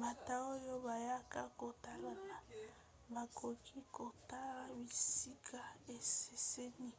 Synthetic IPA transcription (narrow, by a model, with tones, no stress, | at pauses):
ma˨ta˦o˦jo˦ba˨ja˦ka˦ko˨ta˦la˦na˨ | ba˨kʰo˨kʰi˦ko˨ta˦la˦bi˨si˦kʰa˦e˨se˨se˦ni˦